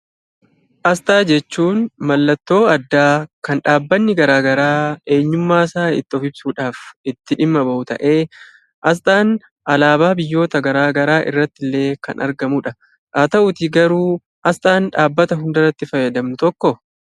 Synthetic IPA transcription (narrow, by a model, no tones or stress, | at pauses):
ʔɐst̪ʼaːd͡ʒɛt͡ʃːuːnmɐlːɐt̪ːo̞ːɐd̪ːaːkɐnᶑaːbːɐnːɪɡɐɾaːɡɐɾaːe̞ːɲːʊmːaːsaːɪ̰t̪ːɔfɪbsuːᶑaːfɪt̪ːɪᶑɪmːɐbɐʔʊt̪ɐ̰ʔe̞ː | ʔɐs̬t̪ʼaːn | ɐlaːbaːbɪjːo̞ːt̪ɐɡɐɾaːɡɐɾaːʔɪ̰rːɐt̪ːɪlːe̞ːkɐ̰nʔɐ̰ɾɡɐmʊᶑɐ | ʔaːt̪ɐʔʊt̪ɪɡɐɾuː | ʔɐst̪ʼaːnᶑaːbːɐt̪ɐɦʊnd̪ɐɾɐt̪ːɪfɐjːɐd̪ɐmnʊt̪ɔkːɔ